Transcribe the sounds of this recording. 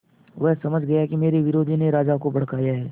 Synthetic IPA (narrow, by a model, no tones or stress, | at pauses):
ʋɛɦsɐməd͡ʒʱɡɐjaɦɛkimeːɾiʋɪɾoːd̪ʱineɾaːd͡ʒakobɐɽ̤kaːjaɦɛː